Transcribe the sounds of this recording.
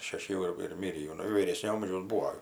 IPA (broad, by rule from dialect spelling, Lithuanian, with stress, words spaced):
ʃʲɛˈʃʲɪ jɛʊ ɪr ɪr ˈmʲɪrʲiː jɛʊ ˈnʊ ʋʲiːˈrʲeːsʲnʲoː ˈɐmʲʒʲɛʊs ˈbuːoː